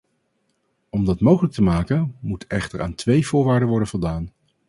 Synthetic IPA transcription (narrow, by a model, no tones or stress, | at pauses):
ɔmdɑtmowχələk̚təmaːkənmutɛχtəɹa̰ːntʋejv̥ʊːɹʋaːɹdənʋɔɹdənv̥ɔlˠdaːn